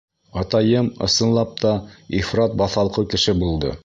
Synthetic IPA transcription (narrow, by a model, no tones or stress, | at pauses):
ɑt̪ɑjɤmɤ̰̆sɤ̆nlˠɑp̚t̪ɑifrɑt̪̚bɑθɑlˠqɤkɘ̆ʃɘbulˠd̪ɤ̰